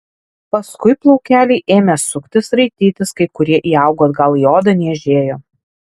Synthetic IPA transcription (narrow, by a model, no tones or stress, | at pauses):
pɐskʊɪplˠɔʊkʲæːlʲɛɪʔeːmʲɛsʊkt̪ʲɪsɾɐɪt̪ʲiːt̪ʲɪskɐɪkʊɾʲiɛʔiːɑˑʊɡoːt̪ɡɐlˠijoːd̪ɐnʲiɛʒʲeːjoː